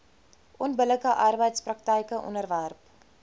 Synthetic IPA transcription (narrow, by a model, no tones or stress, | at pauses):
ʔɔnbələkəʔɑrbəjtsprɐk̚təjkəʔɔ̰nərværp